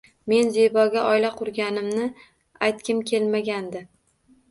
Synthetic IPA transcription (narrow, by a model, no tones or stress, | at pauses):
me̞nzebɒɡʲaʔɒjlaqʰʊɾɡʲanɪmnɪ | ajt̪̚kʲɪmkʲʰe̞lmaɡʲand̪ɪ